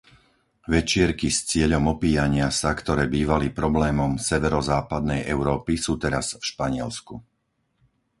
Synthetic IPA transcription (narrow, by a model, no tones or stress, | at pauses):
ʋɛt͡ʃɪɛɾkist͡sɪɛʎɔmɔpiːjaɲɪasakt̪ɔɾɛːbiːʋalipɾɔblɛːmɔmsɛʋɛɾɔzaːpad̪nɛjʔɛʊɾɔːpisuːt̪ɛɾasfʃpaɲɪɛlsku